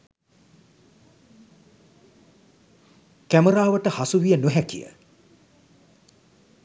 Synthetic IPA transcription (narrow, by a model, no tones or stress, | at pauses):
kæməɾaːʋəʈəhasuʋijənuɦækḭjə̰